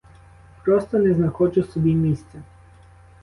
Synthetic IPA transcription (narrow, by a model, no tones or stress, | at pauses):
pɾɔst̪ɔnɛznakɔt͡ʃɔsub̪imist̪ɛ